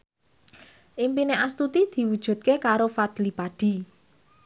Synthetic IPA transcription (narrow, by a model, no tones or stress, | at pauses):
ʔimpineʔast̪ut̪id̪̥i̤wud̥ʒ̥ṳt̪̚kekaɾofad̪̥lipaɖ̥i̤